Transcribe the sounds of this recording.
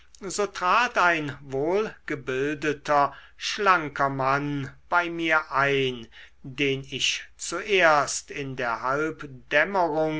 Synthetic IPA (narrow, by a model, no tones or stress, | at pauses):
zoːtʁ̥aːtaɪnvoːlɡ̥əbɪldətʰɐ | ʃlaŋkɐmanb̥aɪmiːɐʔaɪn | deːnɪʃt͡suʔeːɐstɪndeːɐhalpd̥ɛməʁʊŋ